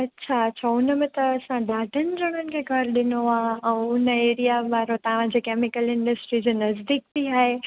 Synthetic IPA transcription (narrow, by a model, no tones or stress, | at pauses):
ɐtːɕʰaɐtːɕʰaʊnəmẽt̪ɐɐsãɖaːɖʱənɪ̆ɾɐɽ̃ənɪ̆kʰeɡʱɐɾɗɪnoaːɛ̃ːʊnəeːɾijaʋaːɾot̪ɐʋ̤ãd͡ʑekeːmɪkəlɪ̃ɳɖəsʈɾid͡ʑenɐzd̪iːk̚t̪ʰiaːɦe